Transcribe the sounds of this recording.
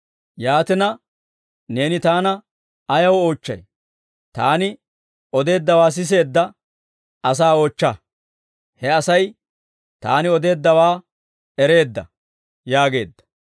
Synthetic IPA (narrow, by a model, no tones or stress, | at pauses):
jaːt̪ɪnɐ | ne̞ːnɪt̪aːnɐ | ɐjɐwoːt͡ʃːɐ̰j | t̪a̰ːnɪ | ɔd̪e̞ːd̪ːɐwaːs̬ɪs̬e̞ːd̪ːɐ | ɐsaːoːt͡ʃːɐ | hɛɐsɐj | t̪a̰ːnɪɔd̪e̞ːd̪ːɐwaː | ɛɾe̞ːd̪ːɐ̰ | jaːɡe̞̰ːd̪ːɐ̥